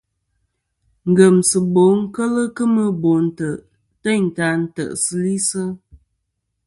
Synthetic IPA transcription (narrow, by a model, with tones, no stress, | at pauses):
ŋ̩˨ɡə˨msə˨bo˨˦ŋ̩˦kə˦lə˦kə˦mə˦bo˨n̩˦˨tə˨ʔ | tə˦ɲ˨ta˨˦n̩˦tə̰˨ʔsɨ˦li˦sɨ˦